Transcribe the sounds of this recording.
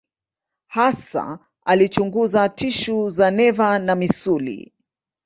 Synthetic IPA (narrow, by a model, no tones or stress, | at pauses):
hasa̰ | alit͡ʃuŋɡuzatiʃuzanɛvanamisulḭ